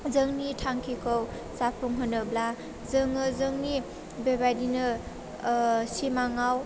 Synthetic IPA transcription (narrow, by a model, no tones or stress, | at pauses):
zɯŋnitʰaŋkʰikʰɔw | sapʰuŋɦɔnɯbla | zɯŋɯzɯŋni | bebajdinɯ | simaŋaw